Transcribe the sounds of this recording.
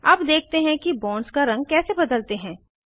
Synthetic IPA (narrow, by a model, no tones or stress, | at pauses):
ɐbd̪eːk̚ʰt̪eɦɛ̃kibɔ̃ːnskaɾɐ̃ŋɡ̚kɛːsebɐd̪əlt̪eɦɛ̃ː